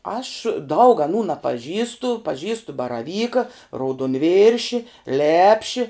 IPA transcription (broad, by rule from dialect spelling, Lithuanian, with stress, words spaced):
ɐʃ dɐʊk ɐˈnuː nɐpɐˈʒʲiːstʊ pɐˈʒʲiːstʊ bɐrɐˈʋʲiːkɐ rɐʊdoːnʲˈʋʲɪrʲʃʲɪ ˈlʲæːpʲʃʲɪ